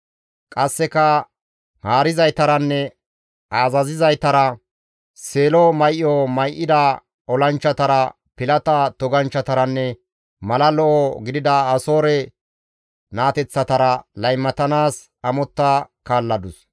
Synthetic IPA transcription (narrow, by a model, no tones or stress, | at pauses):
kʼɐsːɛkɐ | haːɾɪzɐjt̪ɐɾɐnːɛ | ʔaːzɐzɪzɐjt̪ɐɾɐ | seːlɔmɐjʔɔmɐjʔːɪd̪a | ɔlɐnt͡ʃːɐt̪ɐɾɐ | pɪlɐt̪ɐt̪ɔɡɐnt͡ʃːɐt̪ɐɾɐnːɛ | mɐlɐlɔʔɔɡɪd̪ɪd̪ɐːso̞ːɾɛ | naːt̪ɛt͡sːɐt̪ɐɾɐlɐjmːɐt̪ɐnaːs | ɐmɔt̪ːakaːlːɐd̪ʊs